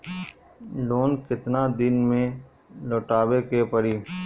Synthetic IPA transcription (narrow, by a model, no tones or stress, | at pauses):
loːnkɪt̪naːd̪ɪnmẽ | loːʈaːwekepəɾiː